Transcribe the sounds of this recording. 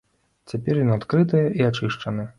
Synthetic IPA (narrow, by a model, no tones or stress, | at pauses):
t͡sʲapʲɛrjɔnat̪kɾɨt̪ɨjɐʔiat͡ʂɨʂt͡ʂɐnɨ